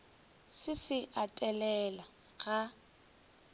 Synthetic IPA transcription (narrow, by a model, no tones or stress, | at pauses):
sɪsɪʔatʼɛlɛla | ɣa